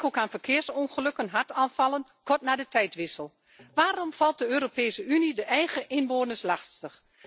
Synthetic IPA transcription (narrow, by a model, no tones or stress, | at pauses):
kokaːnfərkʰɪːərsɔnχəløkənɦaɹtʰaːnfɑlˠənkɔrtnaːdətʰɛjtʋɪsəlˠ | ʋaːrɔmfɑlˠt̚dəøːɾopeːsəynidəʔɛjɣəʔɪnʋoːnəslaxstəx